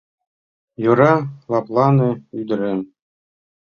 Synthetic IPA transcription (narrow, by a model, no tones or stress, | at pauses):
jɤ̆ɾɑlˠɑplˠɑnɤ̆yd̪ɘ̆ɾɘn